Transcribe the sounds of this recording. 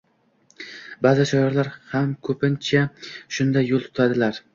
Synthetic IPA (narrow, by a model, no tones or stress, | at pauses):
bazɪʃajɒɾlaɾhamkʰɵpɪnt͡ʃʰaʃʊnd̪ajːolˠt̪ʰʊ̥t̪ʰad̪ɪlaɾ